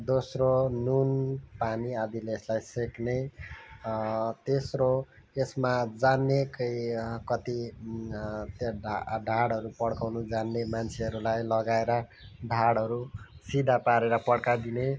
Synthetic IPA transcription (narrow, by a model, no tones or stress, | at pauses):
d̪osronunpaniad̪ileslajsekne | t̪esro | esmad͡zanːekʌjkʌt̪i | t̪ɖʱaɽɦʌɾupʌɽkawnud͡zanːemant͡sʰeʌɾulajlʌɡaeɾʌ | ɖʱaɽɦʌɾusid̪ʱapaɾeɾʌpʌɽkad̪ine